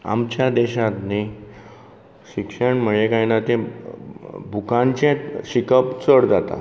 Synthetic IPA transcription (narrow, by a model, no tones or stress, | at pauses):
a̰mt͡ɕjad̪ɛɕat̪ni | ɕikʂəɳm̤əɭjekajnat̪ẽ | bʱukãnt͡ɕẽɕikəpt͡səɽd͡zat̪a̰